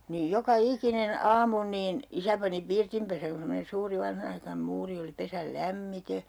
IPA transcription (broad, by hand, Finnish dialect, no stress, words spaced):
niːj jokɑ ikinen ɑːmu niːn isæ pɑni pirtimpesæŋ ku semːonen̞ suːri ʋɑnhɑnɑikɑnĕm muːri oli pesæl læmːite